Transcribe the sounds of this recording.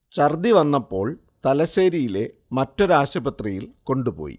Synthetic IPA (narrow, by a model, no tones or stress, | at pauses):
t͡ɕɐrd̪iʋɐnːɐpːo̞ːɭ | t̪ɐlɐseːɾijile̞mɐtːɐɾaːʂɐbɐt̪rijilko̞ɳɖupo̞̰ːjḭ